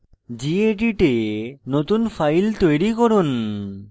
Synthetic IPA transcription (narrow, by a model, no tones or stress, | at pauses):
d͡ʑieʈiʈenot̪unfʰajlt̪ojɾikɔɾun